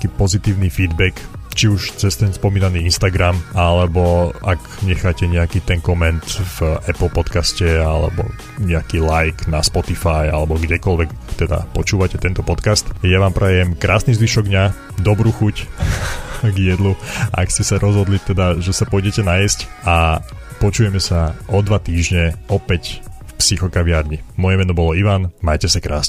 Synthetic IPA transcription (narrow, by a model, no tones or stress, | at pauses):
kiːpɔzit̪iːʊnifiːd̪bɛkt͡ʃiuʃt͡sɛst̪ɛnspɔmiːnaniːinst̪aɡɾamalɛbɔak | ɲɛxaːcɛɲɛakiːt̪ɛŋkɔmɛnt̪vʔɛpl̩pɔt̪kascɛa̰lɛ̰bɔ̰ | ɲɛakilajknaspɔt̪ifaja̰lɛbɔɡɟɛkɔlʋɛkt̪ɛd̪a̰pɔt͡ʃuːʋacɛt̪ɛnt̪ɔpɔt̪kast̪jaʋaːmpɾɛjɛmkɾʔaːsnizʋiʃɔɡ̚d̪ɲa | d̪ɔbɾuxuc | ɡjɛd̪luʔa̰kscɛsaɾʔɔzɦɔd̪lit̪ɛd̪aʒɛsapɔjɟɛcɛnajɛsca | pɔt͡ʃuːjɛmɛsaʔɔd̪ʋat̪iːʒɲɛɔpɛcfpsixɔkaʋɪaɾɲimɔjɛmɛnɔbɔlɔiʋanmajcɛsakɾa̰ːsɛ